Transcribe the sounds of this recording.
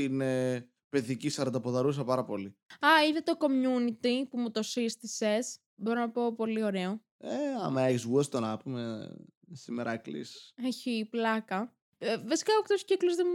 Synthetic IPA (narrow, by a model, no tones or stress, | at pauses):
ine | pe̞ðicisɐɾɐd̪ɐpoðɐɾus̬ɐpɐɾɐpo̞liɐinet̪o̞ko̞mɲunit̪ipumut̪o̞sist̪ise̞s | bo̞ɾonɐpoːpo̞lio̞ɾe̞o̞ | eɐ̰mɐeçsɣuest̪onɐpume | simeɾʔɐklḭseçiplɐkɐ | vɐsi̥kɐokt̪osciklozðem